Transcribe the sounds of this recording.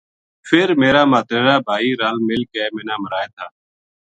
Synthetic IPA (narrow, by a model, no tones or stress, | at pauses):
fʰeɾmeːɾaːmaːt̪ɾeːɾaːbʱaːiːɾaːlmɪlkeːmeːnaːməɾaːeːt̪ʰaː